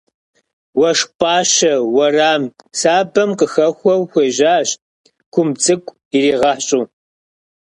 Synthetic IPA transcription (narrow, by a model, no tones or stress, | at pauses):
wɐʂpʼaːɕɐwɐraːmsaːbɐmqəxɐxʷɔwxʷeːʒaːɕ | kʷʰʊmt͡sʼɨkʷʼ | iriːʁɐħɕʼuː